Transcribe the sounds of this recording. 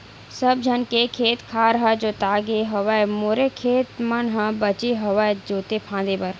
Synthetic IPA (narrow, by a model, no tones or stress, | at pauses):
səbd͡ʒʱənkekʰeːt̪kʰaːɾɦad͡ʒoːt̪aːɡeɦɐʋaɛmoːɾekʰeːt̪mənɦãbət͡ʃeɦɐʋaed͡ʒoːt̪epʰãːd̪ebəɾ